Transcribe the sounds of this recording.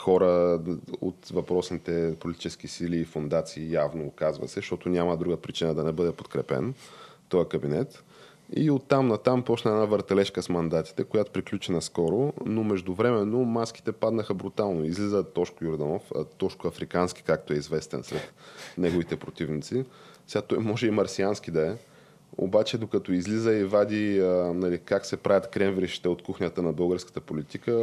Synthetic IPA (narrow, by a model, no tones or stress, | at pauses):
xɔɾə | o̰t̪vɐpɾɔsnit̪ɛpolit̪it͡ʃɛskisiliːfond̪at̪siːjavnoːkazvə̰sɛʃt̪ɔt̪onʲaməd̪ɾuɡəpɾit͡ʃinəd̪ɐnɛbɤd̪ɛpot̪kɾɛpɛ̰n | t̪ɔjəkɐbinɛt̪ | ḭot̪ːamnɐt̪ampɔt͡ʃnəɛnavəɾt̪ɛlɛʃkəsmɐnd̪at̪i̥t̪ɛkojat̪o̥pɾiklʲut͡ʃɛnɐskɔɾonomɛʒd̪ʊvɾɛmɛnːomaski̥t̪ɛpad̪nəxəbɾut̪alˠnoizlizət̪ɔʃkʊjʊɾd̪ənɔfə̰t̪ɔʃkʊɐfɾikansk̟ʲi̥kak̚t̪oɛizvɛst̪ɛ̰nsɾɛt̪nɛɡovit̪ɛpɾot̪ivnit̪sisɛat̪ɔjmɔʒɛimɐɾsiansk̟id̪ɐɛ | o̰bat͡ʃɛd̪okɐt̪ɔizlizəivad̪ʲiənɐlikaksɛpɾajʲət̪kɾɛmvɾiʃi̥t̪ɛot̪kuxnʲət̪ənɐbɤlˠɡəɾskə̥t̪əpolit̪ikə